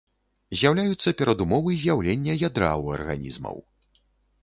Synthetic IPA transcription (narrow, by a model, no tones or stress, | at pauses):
zʲjawlʲajut̪sːɐpʲɛɾɐd̪umɔvɨzʲjawlʲenʲːɐjad̪ɾa̰wɐ̰rɣa̰nʲḭzmɐ̰w